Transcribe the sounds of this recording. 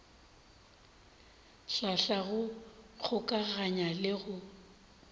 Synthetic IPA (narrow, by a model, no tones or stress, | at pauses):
ɬaɬaɣʊɣʰʊkʼaɣaɲalɪɣʊ